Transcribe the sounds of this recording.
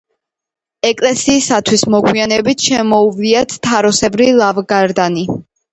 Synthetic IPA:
ɛkʼlɛsiːsat̪ʰwismɔɡwianɛbit̪ʰʃɛmɔuvliat̪ʰt̪ʰːaɾɔsɛbɾilˠavɡaɾd̪ani

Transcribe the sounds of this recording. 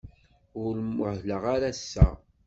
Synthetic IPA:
ʊɾmːʊħləʁaɾæsːæ̰

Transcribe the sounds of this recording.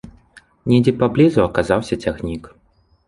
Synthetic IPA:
nʲɛd͡zʲɛpablʲizuɐkazawsʲɐt͡sʲaɣnʲik

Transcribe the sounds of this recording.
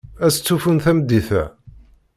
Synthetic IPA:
æst͡sːufunθæmd̪ːiθæ̰

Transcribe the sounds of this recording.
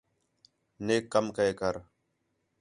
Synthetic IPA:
neːkːəmkəeːkəɾ

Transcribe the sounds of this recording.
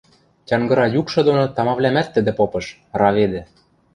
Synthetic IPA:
tʲɑŋɡɤ̆ɾɑjukʃɤ̆d̪onot̪ɑmɑβlʲæmæt̪ːə̆d̪ĕpopɤ̆ʃ | rɑβed̪ĕ

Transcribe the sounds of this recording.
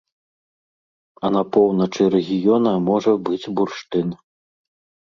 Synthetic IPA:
ɐnapɔwnɐt͡ʂɨɾɛɣʲijɔnɐmɔʐɐbɨd͡zʲburʂt̪ɨn

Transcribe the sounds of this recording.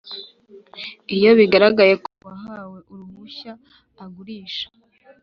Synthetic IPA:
ijo̞βiɡaɾaɡajekoβaɦaːwe̞ʔuɾumuçaː | ɡuɾiːʃḁ

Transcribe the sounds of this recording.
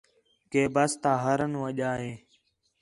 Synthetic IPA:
keːbəst̪ãːɦəɾənũːəʄaːɦeː

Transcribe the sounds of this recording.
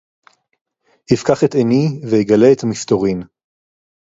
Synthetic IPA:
hifkaχeteniveiɡaleːt̪amist̪o̞ʁin

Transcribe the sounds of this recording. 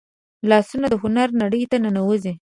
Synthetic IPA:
lɑsunad̪əɦʊnaɾnaɽəjt̪ananawəzi

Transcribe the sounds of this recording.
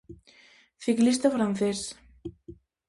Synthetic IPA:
θiklist̪afɾanθes

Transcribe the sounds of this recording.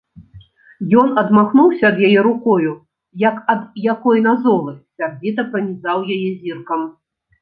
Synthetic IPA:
jɔnɐd̪maxnuwsʲɐːd̪jajɛɾukɔju | jɐkɐd̪jakɔjnazɔlˠɨsʲarvʲit̪̬ɐpɾɐnʲizawjajɛzʲirkɐm

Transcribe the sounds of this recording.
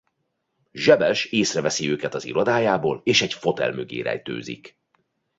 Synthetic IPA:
ʒɛbɛʃeːsrɛvɛsiøːkɛt̪ɒzḭɾo̞d̪aːjaːboːleːʃɛɟfo̞t̪ɛ̰lmøɡḛːɾɛ̰jt̪ø̰ːzḭk

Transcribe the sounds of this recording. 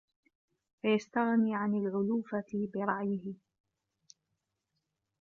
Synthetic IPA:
fajast̪aɣniːʕanalʕʊluːfabɪɾˤɑʔjɪhɪ

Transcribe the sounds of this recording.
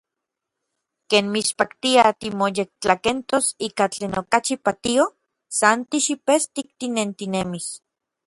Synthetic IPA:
keːnmispakt̪iat̪imojek̚t͡ɬakent̪osiːkat͡ɬeːnokat͡ʃipat̪io | sant̪iʃipest̪ik̚t̪inent̪inemis

